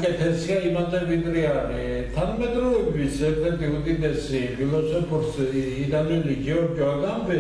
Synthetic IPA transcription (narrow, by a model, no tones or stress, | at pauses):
kʼɛt̪ʰɛsiaimat̪ʼɛbid̪ɾiani | t̪ʰanmɛt̪ʼɾɔɛbisɛkɾɛt̪iud̪id̪ɛsipʰilɔsɔpʰɔɾsː | d̪anuliɡiɔɾd͡ʒɔaɡambɛ